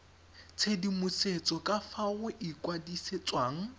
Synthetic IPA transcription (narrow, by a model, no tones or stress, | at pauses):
t͡sʰedimʊset͡sʼɔkʼafaʊʔikʼwadiset͡sʼwaːŋ̩